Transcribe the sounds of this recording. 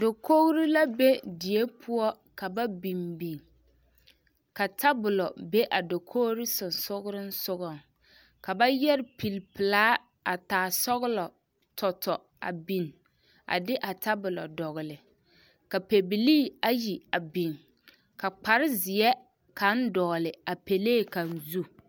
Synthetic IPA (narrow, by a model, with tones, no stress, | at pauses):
do˨ko˦ɣɾi˦la˦be˦di˨e˦pʰʊ˦ɔ˦ | ka˨ba˦bi˨mbi˨ŋ | ka˨tʰa˦bʊ˨lɔ˨be˦ʔa˨do˨kʰo˦ɾɪ˦sʊ˨n˨sʊ˦ɣɾɪ˦n̩˦sʊ˦ɣɔ˨ŋ | ka˨ba˦jɛ˦ɾɪ˦pi˨lpɪ˨laː˦ | a˨taː˨sɔ˦ɣʊ˦lɔ˨ | tɔ˨tɔ˨ | a̰˨bi˨n | a̰˨dɪ˦ʔa˨ta˦bʊ˨lɔ˨dɔ˨ɣɪ˨lɪ˨ | ka˨pe˨bi˨liː˦a˦ji˨a˨bi˨n | ka˨k͡pa˨ɾɪ˦zɪ˨ɛ˦ | ka˨˦n̩˦dɔː˨lɪ˨a˨pe˨leː˦˨ka˨n̩˦˨zu˦